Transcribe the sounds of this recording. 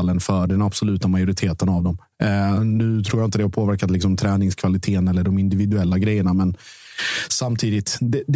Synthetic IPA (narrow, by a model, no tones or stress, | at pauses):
lːənfœɖɛnab̥sɔlʉ̟ːt̪amajʊɾɪt̪ʰeːt̪ənavd̪ɔm | nʉ̟ːt̪ʰɾuːjaɪnt̪əd̪ɛhaɾpʰoːvæɾkat̪lɪksɔmt̪ʰɾɛːnɪŋskʰvalɪt̪ʰeːənɛlːəɖɔmɪnd̪ɪvɪd̪ɵɛlːaɡɾɛjːəɳamɛn | samt̪ʰiːd̪ɪt̪d̪ɛd̪